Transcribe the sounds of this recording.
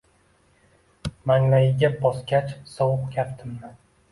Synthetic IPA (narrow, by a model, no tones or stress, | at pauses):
maŋlajɪɡʲabɒskʲat͡ʃsɒwʊqkʲʰapt̪ʰɪmnɪ